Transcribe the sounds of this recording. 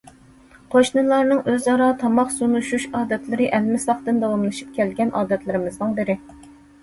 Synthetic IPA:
qʰoʃnɨlˠɑɾnɨŋʔøzɑɾɑt̪ʰɑmɑχsunuʃuʃɑːd̪ɛt̪lɪɾɪʔɛlmɪsɑχt̪ɨnd̪ɑwɑmlˠɨʃip̚kʲʰɛlɡʲɛnʔɑːd̪ɛt̪lɪɾɪmɪznɨŋbɪɾɪ

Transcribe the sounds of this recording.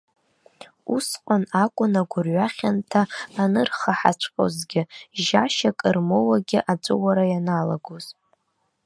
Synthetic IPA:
usqʷʼanakʷʼʊnaɡʷʊrɥaχʲantʰaːnɨrχaħa̰t͡ʃʷʰqʼo̰zɡʲɪʒaʃakʼɨrmowaɡʲɪʔat͡ʃʷʼowaɾajanala̰ɡoz̥

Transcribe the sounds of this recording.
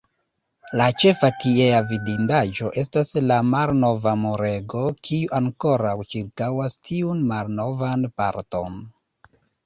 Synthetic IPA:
lat͡ʃe̞fakieavidindaʒo̞ʔe̞s̬taslamalno̞vamoɾe̞ɡo̞kʰiuʔaŋko̞ɾawt͡ʃiɾkawastʰiunmalno̞vanpa̰ɾto̞̰n

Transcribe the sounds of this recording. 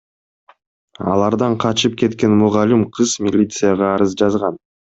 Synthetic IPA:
ɑ̰lˠɑɾd̪ɑɴqʰɑt͡ʃɯp̚ke̞t̪ke̞nmʊʁɑlʲimqʰɯz̥mʲilʲit̪sɨjaʁɑːɾɯzd͡ʒɑzʁɑn

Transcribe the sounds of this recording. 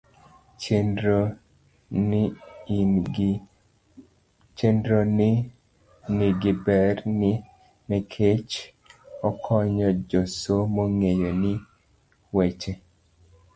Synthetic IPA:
t͡ʃendɾon | niɡɪbɛrnɪ | nɛkʰet͡ʃ | ɔkʰɔɲɔd͡ʒosomoŋejonɪ | wet͡ʃe

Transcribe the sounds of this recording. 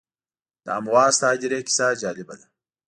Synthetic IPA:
da̰amwaːst̪aːd͡ʒɪɾeːkɪ̥saːd͡ʒaːlɪbɐlɐ̥

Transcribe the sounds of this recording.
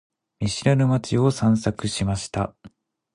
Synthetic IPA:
mʲiɕiɾanɯmat͡ɕio̞sãɰ̃sakɯ̟ɕimaɕi̥t̪a̰

